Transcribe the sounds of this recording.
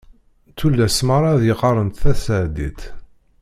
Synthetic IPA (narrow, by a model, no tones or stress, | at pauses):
t͡s̪ːulːæsmaɾˤɑðjəqɑɾˤənt̪θæsʕd̪ḭt̪